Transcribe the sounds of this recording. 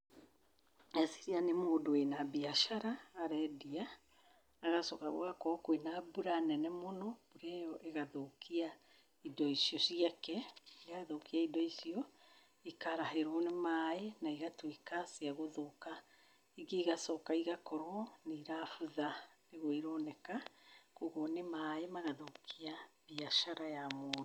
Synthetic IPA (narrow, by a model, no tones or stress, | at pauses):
ɛsi̥ɾianemoːdoenabiaʃaɾaːɾɛdiaː | ɣasɔkaɣo̰ɣakɔkwenabuɾanɛnɛmonɔb̥uɾɛjɔʔeɣaðokia | idɔisiɔsiakɛiɣaðokiaidɔisiɔ | ikaɾaɦeɾonemaenaiɣatwekasiaɣoðoka | iɡeiɣasɔkaiɣakɔɾɔniɾafuðaneɣoiɾɔːnɛkakoɣonemaemaɣaðokʰiabiaʃaɾajamo